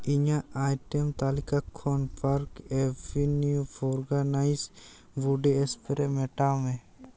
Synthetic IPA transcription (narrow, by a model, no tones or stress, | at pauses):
iɲaajʈɛmt̪alikakʰːɔnpaɾkɛbinijuɔɾɡanajs | buɖeɛspɛɾɛʔmɛʈamɛ̃